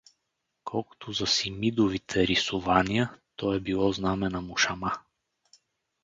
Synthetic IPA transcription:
kʰɔlˠko̥t̪ʰʊzɐsimid̪ʊvit̪ʰɛɾisʊvaniət̪ɔɛbilˠɔznamɛnɐmʊʃɐma

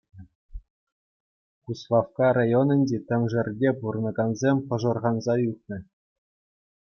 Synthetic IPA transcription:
kuslˠɑfkɑrɑjonɤ̆nʲdʲet̪ʲɘ̆mʲʐɘ̆rʲdʲepurɤ̆nɤ̆ɡɑnzʲemʲpɤ̆ʐɤ̆rʁɑnzɑjutnɤ̆

